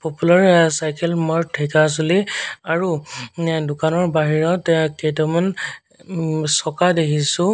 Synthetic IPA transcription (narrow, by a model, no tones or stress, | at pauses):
populaɹsajkɛlmɔɹtʰːɛkas̬oliaɹu | dʊkanɔɹbaɦiɹɔtkejtɔman | sɔkadekʰisʊ̃